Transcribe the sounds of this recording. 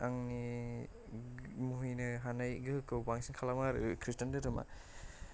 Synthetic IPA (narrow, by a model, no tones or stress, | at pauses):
aŋni | muɦɯjnɯɦanajɡɯɯkɯwpaŋsinkʰalamaɾṵkʰɾistandɯdɔma̰